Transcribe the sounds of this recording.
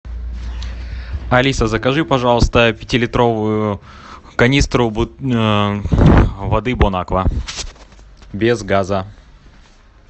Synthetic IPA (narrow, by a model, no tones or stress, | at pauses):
ɐlʲisəzəkɐʐɨpɐʐɑlˠəst̪əpʲɪtʲɪlʲɪt̪ɾo̞vʊjʊ | kɐnʲist̪ɾʊ | vɐd̪ɨbʊnakvə | bʲezɡazə